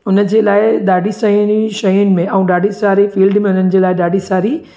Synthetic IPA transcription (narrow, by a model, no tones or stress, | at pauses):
ʊnə̆d͡ʑeːlaːɪɗaːɖʱisɐjʊniʃɐjʊnɪ̆mẽʔɛ̃ũːɗaːɖʱisaːɾifiːlɖmẽʊn̤ənɪ̆d͡ʑeːlaːɪɗaːɖʱisaːɾi